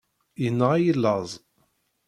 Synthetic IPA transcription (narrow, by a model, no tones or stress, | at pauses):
jənːəʁajəlːəzˤ